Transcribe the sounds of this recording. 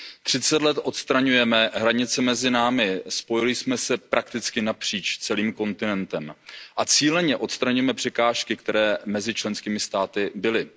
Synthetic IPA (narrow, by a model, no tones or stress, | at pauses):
t̪r̝̥ɪt͡sɛt̪lɛt̪ʔo̞t̪st̪ɾaɲujɛmɛɦɾaɲɪt͡sɛmɛzɪnaːmɪspo̞jɪlɪsmɛsɛpɾʔak̚t̪ɪt͡skɪnapr̝̥iːt͡ʃt͡sɛliːmko̞nt̪ɪnɛnt̪ɛmʔat͡siːlɛɲɛʔo̞t̪st̪ɾaɲujɛmɛpr̝̥ɛkaːʃkɪkt̪ɛɾɛːmɛzɪt͡ʃlɛnskiːmɪst̪aːt̪ɪbɪlɪ